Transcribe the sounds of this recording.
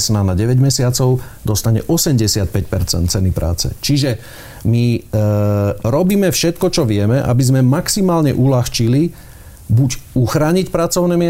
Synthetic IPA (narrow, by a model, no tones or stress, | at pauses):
snanaɟɛʋɛɟmɛsɪat͡sɔʊd̪ɔst̪aɲɛ̰ʔɔsɛmɟɛsɪat̪̚pɛc̚pɛɾt͡sɛ̰nt̪̚t͡sɛnipɾa̰ːt͡sɛ̰t͡ʃiʒɛ | mi | ɾɔbiːmɛfʃɛt̪kɔt͡ʃɔʋɪɛmɛʔa̰bizmɛmaksimaːlɲɛ̰ʔulaxt͡ʃili | buɟuxɾaːɲicpɾat͡sɔʊnɛmɪɛ